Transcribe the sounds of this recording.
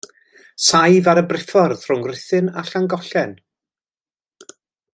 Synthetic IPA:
sajvaɾəbrɪfɔrðr̥ʊŋɡrɪθɨnaɬaŋɡɔɬɛn

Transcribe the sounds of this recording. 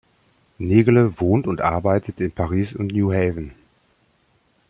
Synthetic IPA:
neːɡələvoːntʊntʔa̰ɐbaɪtʰətɪnpʰaʁ̞iːsʊntnjuːɦɛːvn̩

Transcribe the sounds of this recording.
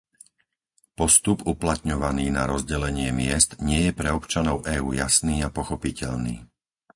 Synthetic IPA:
pɔst̪upuplat̪ɲɔʋaniːnaɾɔzɟɛlɛɲɪɛmɪɛst̪ɲɪɛjɛpɾɛɔpt͡ʃanɔʊʔɛːuːjasniːapɔxɔpicɛʎnḭː

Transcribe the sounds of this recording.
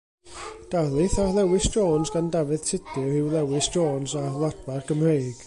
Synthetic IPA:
d̥alˠɨθalˠɛwɪsd͡ʒoːnsɡandavɨð̥tʰɪdɨhɪwlˠɛwɪsd͡ʒoːnsalˠadbarɡəmrejɡ̥

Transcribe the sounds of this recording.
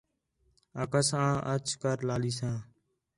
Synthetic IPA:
aːkəsãːʔət͡ʃkəɾlaːliːsãː

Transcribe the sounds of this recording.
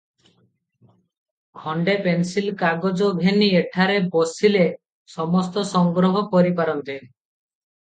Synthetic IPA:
kʰɔɳɖepensilkaɡɔd͡ʒɔbʱenieʈʰaɾebosile | sɔmɔst̪ɔsɔŋɡɾɔɦɔpɔɾipaɾɔnt̪e

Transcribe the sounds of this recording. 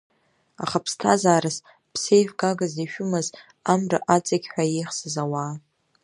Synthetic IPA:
a̰χapʰstʰa̰zaːɾɨs | pʰse̞jvɡaɡaziʃᶣʊmɨz | amrɨ̰ʔat͡sʼaɡʲħʷᶣajejχsɨzawaː

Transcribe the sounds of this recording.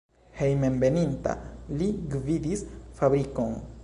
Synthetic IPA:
he̞jmembe̞ninta̰liɡvidisfabɾiko̞n

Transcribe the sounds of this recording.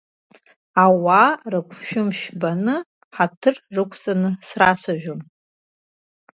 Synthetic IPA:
awarɨkʷʰʃᶣʊmʃᶣbanɨ | ħatʰɨrrɨkʷʰt͡sʼanɨsrat͡ɕʷʰaʒʷᶣʊm

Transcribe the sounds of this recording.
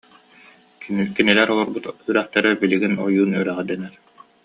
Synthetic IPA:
kinilɛɾɔlˠɔɾbut̪yɾæχt̪ɛɾɛbiliɡinɔjuːnyɾæʁɛd̪ɛnɛɾ

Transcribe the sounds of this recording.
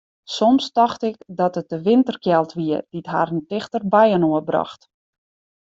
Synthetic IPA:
sɔmstɔxtɪkdɔtət̚dəʋɪntərkjɛlˠtʋiəd̥itɦa̰ːrəntɪxtərbɛjənoəbrɑ̰xt

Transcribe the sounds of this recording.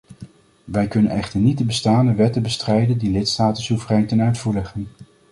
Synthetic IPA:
ʋɛjkɵnə̰nɛχtəɹnit̚dəbəstaːndəʋɛtənbəstrɛjdəndilɪtstaːtənsuvərɛjntənœɥtfuːɹlɛχən

